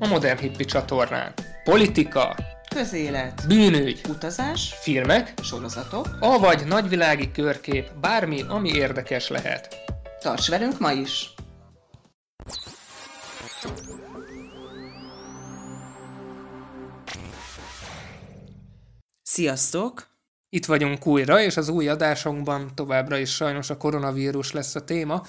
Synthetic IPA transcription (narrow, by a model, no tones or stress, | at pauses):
ɒmo̞d̪ɛrnɦipːit͡ʃɒt̪o̞rna̰ːnpo̞lit̪ikɒ̰ | kø̞zeːlɛt̪byːnyːɟut̪ɒzaːʃfilmɛkʃo̞ɾozɒt̪o̞kɒvɒɟnɒɟʋilaːɡikørkeːpbaːrmiʔɒmieːrd̪ɛkɛʃlɛ̰ɦɛ̰t̪t̪ɒ̰rt͡ʃʋɛlyŋkmɒiʃ | sijɒst̪oːk | it̪ʋɒɟuŋkuːjrɒeːʃɒzuːjɒd̪aːʃo̞ɡbɒnt̪o̞vaːbrɒeːʃʃɒjno̞ʃɒko̞ɾo̞nɒviːɾuʃlɛsːɒt̪eːmɒ